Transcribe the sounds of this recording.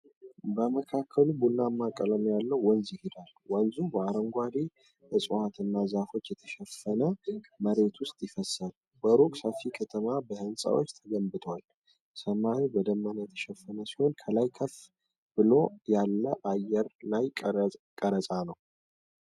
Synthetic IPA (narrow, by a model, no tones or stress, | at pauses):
bəməkʰakʰːəlubulnamːakʼːələmjalːəwːɔnzɪhɪd̪al | wɔnzubəaɾəŋɡʷad̪e | bəsʼuhat̪ʰɨnːazafo̞t͡ʃːjɛt̪ʰə̥ʃɛfːənəməɾe̞t̪wʊst̪ʼjɪfəsal | bəɾokʼsəfikʰət̪ʰəmabəhɨnsʼa̰wo̰t͡ʃːt̪ʰəɡəmbɨt̪ʰwal | səmːanibəd̪əmːanjɛt̪ʰə̥ʃɛfːənəsiho̞nkʰəlajkʰəf | b̥ɨlo̞jalːəʔajɛɾlajkʼəɾəsʼanəw